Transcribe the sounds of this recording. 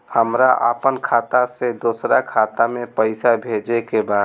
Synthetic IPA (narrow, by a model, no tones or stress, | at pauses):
həmɾaʔə̰pənkʰaːt̪ased̪oːsɾakʰaːt̪amẽpəɪsabʱed͡ʒekebaːd̪